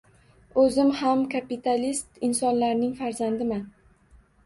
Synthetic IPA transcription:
ɵzɪmhamkʰapit̪ʰalist̪ɪnsɒnlaɾnɪŋfaɾzand̪ɪman

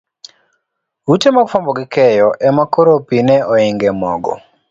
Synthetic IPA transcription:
utemakfambɔɡikɛjɔʔɛmakoɾopinɛɔɪŋɡɛmɔɡɔ̰

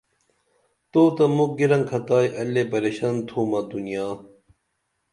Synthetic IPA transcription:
t̪oːt̪ɐmuk̚ɡiɾɐ̃ŋkʰɐt̪aːjʔɐlːepɐɾeɕɐnt̪ʰuːmɐd̪unijaː

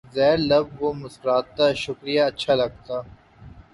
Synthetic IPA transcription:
zɛːɾlɐbʋomʊsɾaːt̪ːaʃʊkɾijaɐtːʃʰalɐɡ̚t̪aː

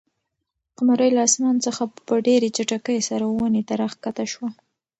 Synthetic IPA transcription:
qamaɾəjlaɑsmɑnt͡səxapəɖeɾet͡ʃaʈakəjsaɾawanet̪aɾaxkat̪aʃwa

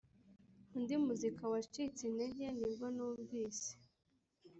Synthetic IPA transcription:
undimuzikawat͡ʃit͡sindeɟe̞ndiɾɡonuːɱviːse̥

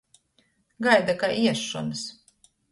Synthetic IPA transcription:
ɡajd̪akaʔiɛʃːuns

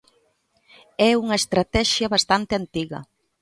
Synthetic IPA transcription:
ɛuŋɐest̪ɾat̪ɛʃjaβast̪ant̪eant̪iɣɐ̰

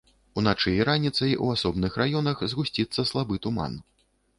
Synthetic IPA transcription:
unat͡ʂɨjiɾanʲit̪sɐjṵasɔbnɨxrajɔnɐxzɣusʲt͡sʲit̪sːɐslˠabɨt̪uma̰n

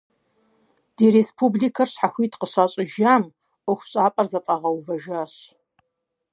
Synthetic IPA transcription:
d̥eːɾeːspʰublikʰɐrɕħaxʷiːtʰqəɕaːɕʼɪʒaːm | ʔʊxʷɕʼaːpʼɐrzɐfʼɐʁɐwvɐʒaːɕ

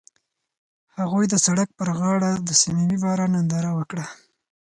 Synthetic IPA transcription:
haɣujd̪əsaɽak̚pəɾɣɑɽad̪əsimiwibɑɾanand̪ɑɾawəkɽa

